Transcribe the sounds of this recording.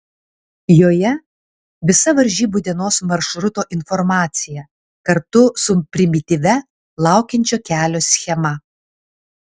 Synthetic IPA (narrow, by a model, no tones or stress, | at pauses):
joːjɛ | ʋʲɪsɐʋɐɾʲʒʲiːbʊd̪ʲɪnoːsmɐɾʃɾʊt̪oːʔɪnfɔɾmɑːt̪sʲɪjɛ | kɐɾt̪ʊsʊpʲɾʲɪmʲɪt̪ʲɪʋʲɛ | lˠɑˑʊkʲɛnʲt͡ʃʲoːkʲæːlʲoːsʲxʲɛmɐ